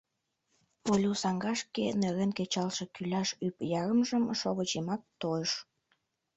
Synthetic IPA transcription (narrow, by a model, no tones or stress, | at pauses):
polʲusɑŋɡɑʃkeneɾenket͡ɕɑlʃekylʲɑʃypjɑɾəmʒəmʃoβət͡ɕemɑk̚t̪ojəʃ